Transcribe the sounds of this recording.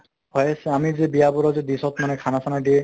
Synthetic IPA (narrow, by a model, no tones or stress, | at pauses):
hɔjasɛamizebijabɔɾɔzed̪isɔt̪manɛkʰanasʰanadiɛ